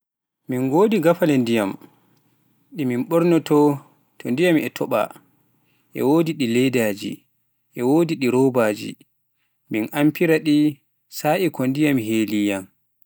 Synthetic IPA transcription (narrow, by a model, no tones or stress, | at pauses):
minɡoːdiɡafalɛndijam | ɗiminɓɔɾnɔtɔ | tʰɔndijamɛtʰɔɓa̰ | ʔɛ̰woːdiɗilɛdaːd͡ʒḭ | ʔɛwoːdiɗiɾɔbaːd͡ʒḭ | minʔampiɾaɗi | saːʔikɔndijamɦeːlijam